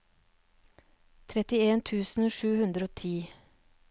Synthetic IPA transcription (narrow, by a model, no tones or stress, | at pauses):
t̪ʰɾɛt̪ɪeːnt̪ʰʉːsn̩ʃʉːhʉnd̪ɾəoːt̪ʰiː